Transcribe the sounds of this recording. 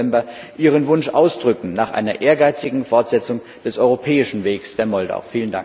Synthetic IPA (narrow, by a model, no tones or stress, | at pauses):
ɛmbɐ | ʔiːʁ̞ənvʊnʃʔaʊsd̥ʁʏkŋ̩naːχʔa̰ɪnɐʔeːɐɡaɪt͡sɪɡŋ̩fɔɐtz̥ɛt͡sʊŋ | d̥ɛsʔɔʏʁopʰɛːɪʃn̩veːksd̥eːɐmɔlda̰ʊɐfiːlənda̰ŋk